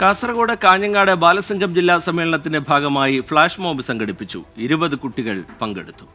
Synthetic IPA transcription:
kaːsɐrɐɣoːɽekaːɲːɐŋːaːɽebaːlɐsɐŋɡʰʱɐmd͡ʑilːasɐmeːɭɐɳɐt̪ːinde̞bʱaːɡɐmaːjifɭaːʂmoːmbisɐŋɡɐɽipːit͡ɕːṵiɾubɐðɨkuʈːiɣɐɭpɐŋɡe̞̰ɽut̪ːu̥

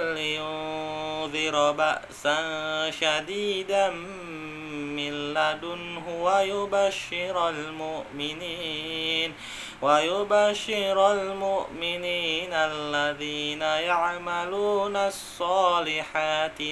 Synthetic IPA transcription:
lɪjʊ | ðɪɾbaʔsanʃad̪iːd̪a | mɪlːad̪ʊnɦʊwajʊbaʃːɪɾalmʊʔmɪniːn | wajʊbaʃːɪɾalmʊʔmɪniːnalːaðiːnajaʕmaluːnasˤːɑːlɪħaːt̪ɪ

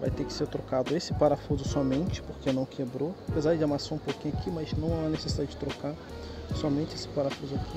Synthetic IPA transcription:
va̰jt̪ekɪ̥seɾt̪ɾokad̪ʊesɪ̥paɾafuzʊsɔmẽnt͡ʃɪ̥poɾkenɐ̃w̃kʰebɾoapezaɾd͡ʒɪamasãũpowkĩɲʊakʰimaznɐ̃w̃aɐnesesid̪ad͡ʒɪd͡ʒɪt̪ɾokaɾ | sɔmẽnt͡ʃɪesɪ̥paɾafuzʊaki

